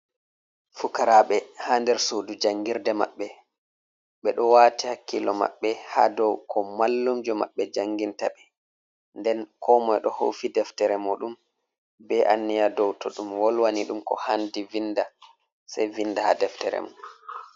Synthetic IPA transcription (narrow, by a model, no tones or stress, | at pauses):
fukaɾaɓɛhaːndɛɾsoːdud͡ʒaŋɡiɾdɛma̰ɓːɛ | ɓɛɗɔwaːtihakːilɔma̰ɓːɛhadɔwkʰɔmalːumd͡ʒɔma̰ɓːɛd͡ʒaŋɡintaɓɛ | ndɛnkʰɔmɔjɗɔho̰fidɛftɛɾɛmoɗum | bɛʔanːijadɔwtɔɗumwɔlwaniɗumkɔ̰handivinda | sajvindaha̰dɛftɛ̰ɾɛ̰moɗ